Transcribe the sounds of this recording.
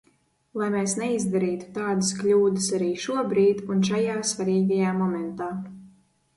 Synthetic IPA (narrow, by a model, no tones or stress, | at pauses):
lˠajmɛːsnɛizd̪aɾiːt̪u̥t̪aːd̪askʎʲuːd̪ɨsaɾiːʃuɔbɾiːd̪unʃajaːsvaɾiːɡajaːmɔmɛnt̪aː